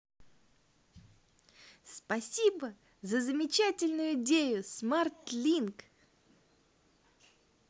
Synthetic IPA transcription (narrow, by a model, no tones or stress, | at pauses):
spɐsʲibə | zəzəmʲɪt͡ɕætʲɪlʲnʊjʊɪdʲejʊsmart̪lʲink